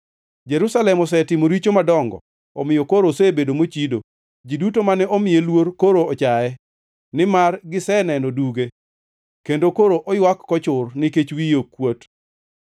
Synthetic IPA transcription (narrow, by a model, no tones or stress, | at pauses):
d͡ʒeɾusalɛmɔs̬ɛtɪmoɾit͡ʃomadɔŋɡɔ̰ | ɔ̰mɪjokoɾosebedomot͡ʃido̰ | d͡ʒidutomanɛʔɔmɪjelwoɾkoɾoɔt͡ʃaɛ | nɪmarɡɪsɛnɛnɔduɡe | kendokoɾoʔɔjwakːɔt͡ʃʊrnɪket͡ʃwijokwot